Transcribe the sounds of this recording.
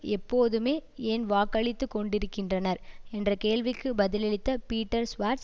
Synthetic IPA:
ɛpːoːðɯmeːɛːnʋaːkːɐɭɪt̪ːɯkːɔɳɖɪɾɯkːɪndrɐnɐɾɛndrɐkeːɭʋɪkːɯbɐðɪlɛɭɪt̪ːɐpiːʈːɐɾsʋaːɾs

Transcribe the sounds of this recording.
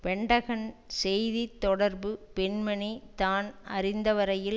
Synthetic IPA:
pɛɳɖɐɣɐnsɛjðit̪ːɔɽɐɾbɯpɛɳmɐɳit̪aːnɐɾɪnd̪ɐʋɐɾɐjɪl

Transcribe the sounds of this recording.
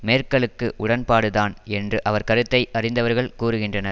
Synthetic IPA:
meːrkɐɭɯkːɯʔʊɽɐnpaːɽɯðaːnɛndrɯʔɐʋɐɾkɐɾɯt̪ːɐɪʔɐrɪnd̪ɐʋɐɾɣɐɭkuːɾɯɣɪndrɐnɐɾ

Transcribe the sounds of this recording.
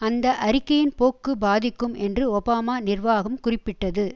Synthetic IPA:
ɐnd̪ɐʔɐɾɪkːɐjɪnpoːkːɯbaːðɪkːɯmɛndrɯɔbaːmaːnɪrʋaːɣɐmkʊrɪpːɪʈːɐðɯ

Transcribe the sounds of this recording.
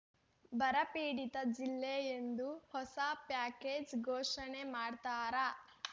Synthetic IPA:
bɐɾɐpiːɽit̪ɐd͡ʒilːeend̪uhɔsɐpjaːkeːd͡ʒɡʱoːʂɐnemaːɖt̪aːɾɐ

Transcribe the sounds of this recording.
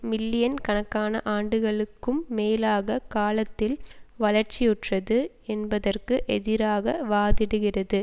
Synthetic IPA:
mɪlːɪjɐnkɐnɐkːaːnɐ̰ʔaːɳɖɯɣɐɭɯkːɯmːeːlaːɣɐkaːlɐt̪ːɪlʋɐlɐɾt͡ʃɪjɯʈrɐðɯ | ɛnbɐðɐrkɯʔɛðɪɾaːɣɐʋaːðɪɽɯɣɪrɐðɯ

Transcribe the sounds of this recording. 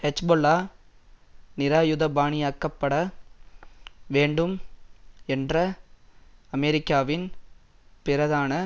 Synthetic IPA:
hɛt͡ʃboːlːaː | nɪɾaːjʊðɐbaːɳɪjaːkːɐpːɐɽɐ | ʋeːɳɖɯm | ɛndrɐ | ɐmɛɾɪkːaːʋɪn | pɪrɐðaːnɐ

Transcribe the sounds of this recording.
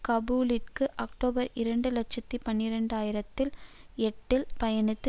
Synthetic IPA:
kɐbuːlɪʈkɯʔɐkʈoːbɐɾɪɾɐɳɖɯlɐt͡ʃɐt̪ːipɐnːɪɾɐɳɖaːjɪɾɐt̪ːɪlɛʈːɪlpɐjɐnɯt̪ːɯ

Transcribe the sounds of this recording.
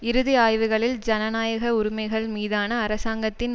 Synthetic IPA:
ɪɾɯðɪaːjʋɯɣɐɭɪld͡ʒɐnɐnaːjɐɣɐʊɾʊmɐɪɣɐɭmiːðaːnɐːɾɐsaːŋɡɐt̪ːɪn

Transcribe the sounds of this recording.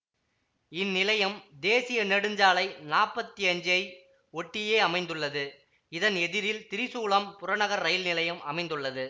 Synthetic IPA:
ɪnːɪlɐjɐmd̪eːsɪjɐnɛɽɯɲd͡ʒaːlɐɪnaːɾpɐt̪ːiɐɲd͡ʒɐɪ | ɔʈːɪjeːɐmɐɪnd̪ɯɭːɐðɯ | ɪðɐnɛðɪɾɪlt̪ɪɾɪsuːɭɐmpʊɾɐɳɐɣɐɾːɐjɪlnɪlɐjɐmʔɐmɐɪnd̪ɯɭːɐðɯ

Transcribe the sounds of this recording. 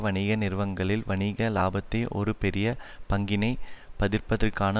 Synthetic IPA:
ʋɐɳɪɣɐnɪrʋɐŋɡɐɭɪlʋɐɳɪɣɐla̰ːbɐt̪ːɐɪʔɔ̰ɾɯpɛɾɪjɐpɐŋɡɪnɐɪpɐðɪrpɐðɪrkaːnɐ

